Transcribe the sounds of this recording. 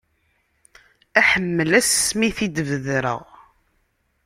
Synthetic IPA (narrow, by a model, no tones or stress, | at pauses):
æħəmːəlæsːmiθid̪əvəðɾə̰ʁ